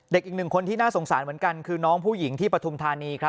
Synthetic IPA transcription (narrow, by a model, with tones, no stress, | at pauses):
de˨˩k̚ʔiː˨˩k̚nɯ˨˩ŋkʰo˧nt̪ʰiː˥˩naː˥˩so˩˦ŋsaː˩˦nmɯ˩˦ənka˧nkʰɯː˧nɔː˦˥ŋpʰuː˥˩ji˩˦ŋt̪ʰiː˥˩pɾa˧t̪ʰu˧mt̪ʰaː˧niː˧kʰɾa˦˥